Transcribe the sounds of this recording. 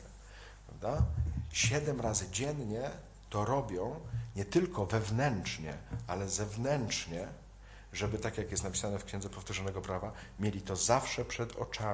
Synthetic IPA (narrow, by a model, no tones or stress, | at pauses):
pɾa̰vd̪aɕɛd̪ɛmɾazɘd͡ʑɛnɲɛ | t̪ɔɾɔbʲjɔ̃w̃ɲɛt̪ɘlkʰɔvɛvnɛnt͡ʂɲɛ̰alɛzɛvnɛnt͡ʂɲɛ | ʐɛbɘt̪akjakjɛst̪napʲi̥sanɛfkɕɛnd̪zɛpɔft̪uʐɔnɛɡɔpɾavamʲjelʲit̪ɔzafʂɛpʂɛd̪ɔ̰t͡ʂa